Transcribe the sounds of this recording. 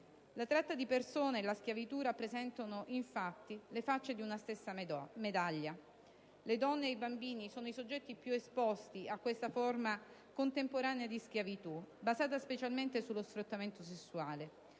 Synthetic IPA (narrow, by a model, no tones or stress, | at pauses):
lat̪ɾat̪ːad̪ipersoːneːlask̟javit̪uɾapːɾezɛnt̪onoʔiɱfat̪ːilefat͡ʃːed̪iunast̪esːamed̪aʎːa | led̪ɔnːeːjbambiːnisoːnoisod͡ʒːɛt̪ːipjuespɔst̪iakːwest̪aforma | kont̪empoɾaːnead̪isk̟javit̪ubazaːt̪̬aspet͡ʃalment̪esulːosfɾut̪ːament̪osesːuaːle